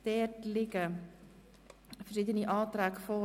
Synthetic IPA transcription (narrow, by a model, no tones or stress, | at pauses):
d̥ɛːrtlɪɡə | fərʃidəniʔɑːtræːkfo